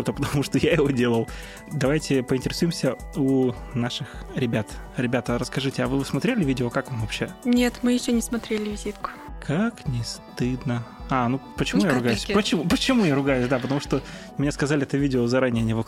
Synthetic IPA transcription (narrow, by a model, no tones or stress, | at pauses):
ot̪əpət̪ɐmuʂt̪ojaɪvodʲe̞lˠəlˠ | d̪ɐvajtʲɪpəɪnʲtʲɪɾʲɪsujɪmsʲəunaʂɨxɾʲɪbʲat̪ɾʲɪbʲat̪əɾəskɐʐɨtʲɪɐvɨvɨsmɐt̪ɾʲelʲɪvʲidʲɪokakvamvɐpɕːe̞nʲet̪mɨjɪɕːonʲɪsmɐt̪ɾʲelʲɪvʲɪzʲit̪kʊ̥kʰaknʲɪst̪ɨd̪nəanupət͡ɕɪmujaɾɾʊɡajʉsʲpət͡ɕɪmupət͡ɕɪmujaɾʊɡajʉsʲd̪apət̪ɐmuʂt̪o | mʲɪnʲeskɐzalʲɪɛt̪əvʲidʲɪozɐɾanʲɪjənʲɪvo